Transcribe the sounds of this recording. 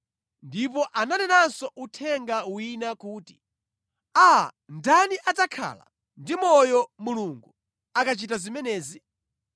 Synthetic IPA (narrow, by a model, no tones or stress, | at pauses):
ndip̬ɔʔananɛnansɔʔutʰɛŋɡawinakuːti̥ | a | ndaniʔatakʰa̰ːla̰ | ndimɔjɔmuluŋɡu | akat͡ʃitazimɛnɛːzi